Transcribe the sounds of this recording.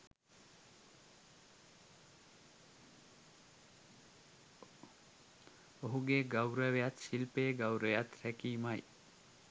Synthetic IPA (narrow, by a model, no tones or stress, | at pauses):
oɦuɡeɡawɾəʋejat̪silpeːɡawɾəjat̪ɾækiːmaj